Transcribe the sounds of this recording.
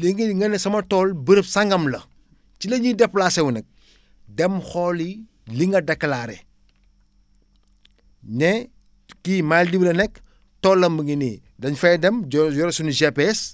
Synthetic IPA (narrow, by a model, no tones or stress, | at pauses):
liŋiŋɐnɛsɐmɐtɔːlbəɾəpsɐŋɡɐmlɐ | t͡ʃilɐɲidɛpːlasɛwunɛk̚ | dɛmxɔli | liŋɡɐdɐkːlaɾɛ | nɛ | kimaldiblɐnɛk | tɔːlːɐmbəŋini | dɐɲfɐjdɛmd͡ʒɔɾsuniʒepeɛs